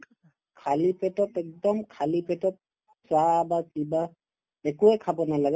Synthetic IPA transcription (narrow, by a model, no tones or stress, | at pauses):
kʰalipɛtɔtɛk̚dɔmkʰalipɛtɔt̚ | pɹabakiba | ɛkuɛkʰabɔnalaɡɛ